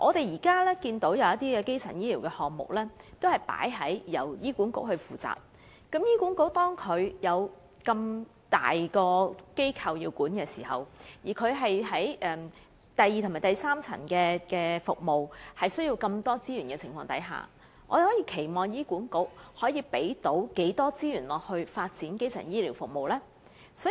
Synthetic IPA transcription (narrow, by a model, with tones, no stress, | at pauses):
ʔɔː˨˧t̪e˨jiː˨˩kaː˥lɛː˥kiː˧nt̪o˨˥wjɐ˨˧wɐ˥t̪iː˥kɛː˧ke˥jt͡sʰɐ̰˨˩njiː˥liː˨˩wkɛː˧hɔː˨k̚mʊ̰˨k̚lɛː˥t̪o˥whɐ˨˩jpa̰ː˨˥jɦɐ˨˥jjɐ̰˨˩wjiː˥ku˨˥nkʊ̰˥k̚hɵ˧ɥfuː˨˩t͡sa̰ː˨p̚ | kɐ˨˥mjiː˥kuː˨˥nko˨˥w̚t̪ɔː˥ŋkʰɵ˨˧ɥjɐ˨˧w | kɐ˧mt̪a̰ː˨jkɔː˧ke˥jkʰɐ˨˧wji˧wkuː˨˥nkɛː˧siː˨˩hɐ̰˨wjiː˨˩kʰɵ˨˧ɥɦɐ˨jɦɐ˨˥jʔɛː˨˧m | t̪ɐ˨jiː˨t̪ʰmaː˨˩jt̪ɐ˨jsaː˥mt͡sʰɐ̰˨˩nkɛː˧kɛː˧fʊ˨k̚mo˨˩whɐ˨jsɵ˥ɥjiː˧wkɐ˧mt̪ɔː˥t͡siː˥jyː˨˩nkɛː˧t͡sʰɪ˨˩ŋfɔː˧ŋt̪ɐ̰˨˥jɦa̰ː˨˩ | ŋɔː˧d̪e˨hɔː˨˥jiː˧kʰe˨˩jmɔː˨˩ŋjiː˥kuː˨˥nkʊ˥k̚hɔː˨˥jiː˧pe˨˥jt̪o˨˥wke˨˥jt̪ɔː˥t͡siː˥jyː˨˩nlɔː˨k̚hɵ˧ɥfaː˧t̚t͡siː˨˥nke˥jt͡sʰɐ̰˨˩njiː˥li˨˩wfʊ˨k̚mo˨wlɛː˥ | sɔː˨˥